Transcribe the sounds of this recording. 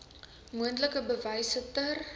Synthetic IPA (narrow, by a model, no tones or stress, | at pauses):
muəntləkəbəvɐjsətər